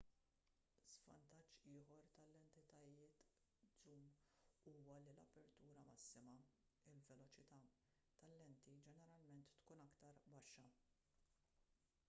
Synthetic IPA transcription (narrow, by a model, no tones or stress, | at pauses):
z̥vɐ̰nt̪ɐt͡ʃːɪːħɔɾt̪ɐlɛnt̪ɪt̪ɐjɪːt̪ | zuːmuːwɐlilɐpɛɾt̪uːɾɐmɐsːɪmɐ | ɪlvɛlɔt͡ʃɪt̪ɐ | t̪ɐlːɛnt̪id͡ʒɛnɛɾɐlmɛnt̪ːkuːnɐkt̪ɐɾbɐʃːɐ